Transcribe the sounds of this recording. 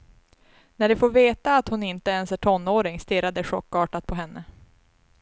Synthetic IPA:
næɖɵfoːɾveːt̪aːt̪hʊnɪnt̪əɛnsæʈʰɔnːoːɾɪŋst̪ɪɾad̪ɛɧɔkːɑːʈat̪̚pʰɔɦɛnːə

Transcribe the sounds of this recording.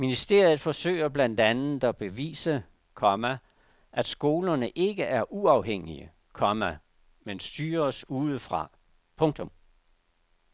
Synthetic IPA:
minisd̥e̝̰ɐ̰jð̞̩ˠfɒ̽sø̰ɪ̰ɐb̥læn̰d̥ænð̩ˠdɒb̥e̝ʋḭːsə | kʰɒmæ | ʔæd̥sɡ̥o̝ːlɐnəʔe̝ɡ̥əʔæɐʔuɑ̈ʊɦeŋ̰iə | kʰɒmæ | mensd̥yːɐsuːð̞ˠəfʁɑ̈ | pʰɔ̽ŋt͡sʰɔ̽m

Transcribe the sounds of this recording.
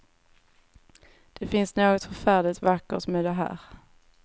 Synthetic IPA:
d̪̥ɛfɪnsnoːɡɔt̪fœɾfæːɖɪt̪vakːə̰t̪mɛːd̪ɛɦæ̰ːɾ

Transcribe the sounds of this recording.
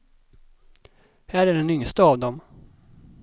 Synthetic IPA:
hæːɾæɖɛnʏŋst̪əɑvd̪ɔm

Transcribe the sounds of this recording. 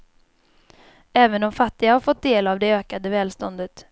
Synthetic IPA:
ɛːvənɔmfat̪ːɪɡahaɾfɔt̪̚d̪eːlavd̪ɛøːkad̪əvɛːlst̪ɔnd̪ət̪

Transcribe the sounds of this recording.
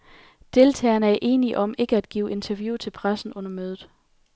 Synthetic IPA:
d̥e̝lt͡sʰɛ̰ːɐnəæɐʔe̝ːniʔɒ̽me̝ɡ̥əæd̥̚ɡ̥ḭːʊʔe̝nt͡sʰɐʋjuːt͡sʰe̝lpʰʁasn̩ɔ̽n̰ɐmøːð̞ˠð̩ˠ

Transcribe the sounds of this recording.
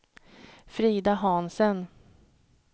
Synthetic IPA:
fɾiːd̪aɦɑnsən

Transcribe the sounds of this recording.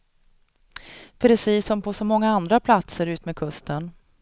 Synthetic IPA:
pʰɾɛsiːsːɔmpʰɔsɔmɔŋːaand̪ɾapʰlat̪səɾʉ̟ːt̪mɛːd̪kʰɵst̪ən

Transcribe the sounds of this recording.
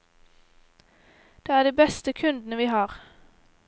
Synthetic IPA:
d̪̥eːæːɖiːbɛst̪əkʰʉnd̪n̩əʋiːhɑːʁ

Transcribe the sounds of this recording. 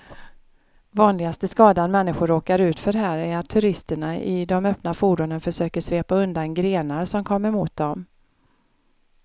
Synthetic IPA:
vɑːnlɪɡast̪əskɑːd̪anmɛnːɪɧʊɾoːkaɾʉ̟ːt̪fœɾɦæːɾæɾat̪ʰːɵɾɪst̪əɳaɪd̪ɔmœpnafuːɖʊnənfœʂøːkəʂveːpaɵnd̪anɡɾeːnaɾsɔmkʰɔmːəɾmuːt̪̚d̪ɔm

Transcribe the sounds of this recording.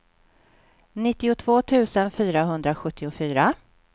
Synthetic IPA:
nɪt̪ːɪʊt̪ʰv̥oːt̪ʰʉ̟ːsənfyːɾaɦɵnd̪ɾaɧɵt̪ʰːɪʊfyːɾa

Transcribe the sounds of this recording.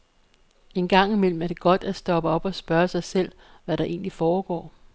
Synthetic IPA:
e̝nɡ̥ɑ̈ŋ̰imel̰m̩æɐd̥e̝ɡ̥ɒ̽d̥æsd̥ɒ̽b̥əɒ̽b̥ɒ̽sb̥ɶɐsɑ̈ɪsel̰ | ʋæɾɑ̈ʔe̝̰ːnlifɒːɡ̥ɒ̰ː

